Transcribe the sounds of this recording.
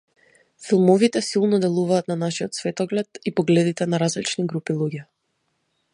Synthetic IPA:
filˠmɔvit̪ɛsilˠnɔd̪ɛlˠuvaːt̪nanaʃiɔt̪svɛt̪ɔɡlɛt̪ipɔɡlɛd̪it̪ɛnaɾazlit͡ʃniɡɾupilˠuɟɛ

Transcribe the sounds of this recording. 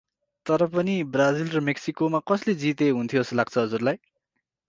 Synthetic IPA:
t̪ʌɾʌpʌnibrad͡zilrʌmeksikomakʌsled͡zit̪eɦunt̪ʰjoslaɡ̚t͡sʰʌɦʌd͡zurlaj

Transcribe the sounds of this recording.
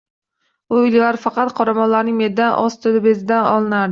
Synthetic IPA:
ʊɪllaɾfɑqɑt̪qʰɒɾamɒnlaɾnɪŋmed̪anʔɒst̪ʰɪlɪbezɪd̪anɒ̰lˠɪnaɾd̪ɪ

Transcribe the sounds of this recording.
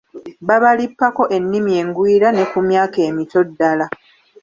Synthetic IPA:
baβalipːako̞ʔe̞nːimie̞ːŋɡwiːɾane̞kumjaːke̞ːmito̞dːala

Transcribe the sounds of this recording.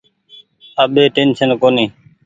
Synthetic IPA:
əɓeːʈeːnsənkoːniː

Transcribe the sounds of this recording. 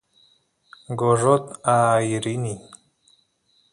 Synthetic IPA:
ɡoʐot̪ajiɾini

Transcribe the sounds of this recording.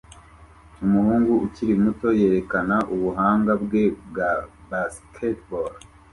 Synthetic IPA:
umuhuːŋɡuuciɾimuto̞je̞ːɾe̞kanaʔuβuɦaːŋɡabɡe̞b̚ɡabaskʰetbol

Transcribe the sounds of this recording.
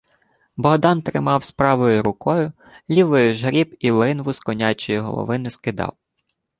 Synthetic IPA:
bɔɦd̪ɑnt̪ɾɪmɑwspɾɑʋɔjʊɾʊkɔjʊ | lʲiʋɔjʊʒɦɾʲibilˠɪnʋʊskɔnʲɑt͡ʃɔjiɦɔ̰lˠɔ̰ʋɪnɪskɪd̪ɑ̰w

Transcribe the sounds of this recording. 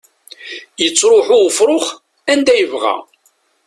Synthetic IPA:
jət͡sːɾˤʊħʊfɾˤoχ | ænd̪æjəvʁæ̰

